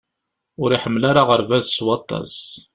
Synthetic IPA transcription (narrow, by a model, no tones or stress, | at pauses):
ʊɾiħəmːlaɾaʁəɾvæðswɑt̪ˤːɑ̰s